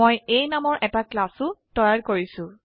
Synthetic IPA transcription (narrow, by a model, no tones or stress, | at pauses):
ojejnamɔɹʔɛtaklasʊtɔjaɹkoɹisʊ̃